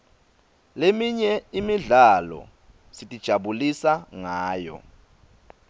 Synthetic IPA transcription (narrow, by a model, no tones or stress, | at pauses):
lemiɲɛimiɮalɔ̰ | sitʼid̥ʒ̥ʱaɓulisaŋaːjɔ̰